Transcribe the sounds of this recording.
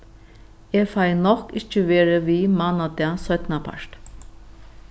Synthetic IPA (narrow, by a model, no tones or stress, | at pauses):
efajnɔkɪt͡ʃːəʋeːɾəʋiːmanad̪ɪasœt̪napʰa̰ʂt̪